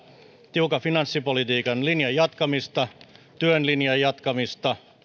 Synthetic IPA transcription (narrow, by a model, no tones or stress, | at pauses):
t̪iukɑfinɑnsːipolit̪iːkɑnlinjɑjɑt̪kɑmist̪ɑt̪yønlinjɑjɑt̪kɑmist̪ɑ